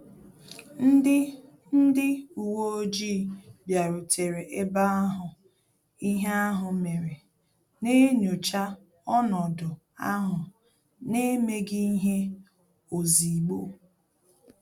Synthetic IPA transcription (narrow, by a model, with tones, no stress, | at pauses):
n̩˦ɪ˦ | n̩˦dɪ˦u˨wo˦o˦d͡ʒiː˦bja˨ɾʊ˨tʰe˨ɾe˨ʔe˦ba˦a˦ɦʊ˨ | i˦ɦe˦a˦ɦʊ˨me˨ɾe˨ | ne˦ɲo˨t͡ʃa˦ | ɔ˦nɔ˨dʊ˨ | a˦ɦʊ˨ | ne˦me˦ɡi˦i˦ɦe˦ | o˨zi˨ɡ͡bo˦